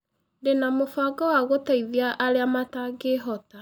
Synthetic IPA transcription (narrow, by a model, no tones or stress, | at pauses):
denamofaɡawaɣotaiðiaʔːɾeamataɡeɦɔta